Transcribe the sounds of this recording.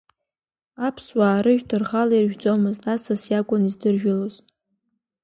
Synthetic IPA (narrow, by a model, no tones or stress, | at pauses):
apʰswaːɾɨʒᶣtʰɨrʁalairʒᶣt͡sʼomɨztasasjakʷʼʊnizdɨrʒᶣʊloz